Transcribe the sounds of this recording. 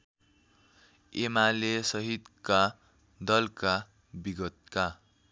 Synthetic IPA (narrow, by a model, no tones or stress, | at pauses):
emalesʌɦid̪ka | d̪ʌlka | biɡʌt̪̚ka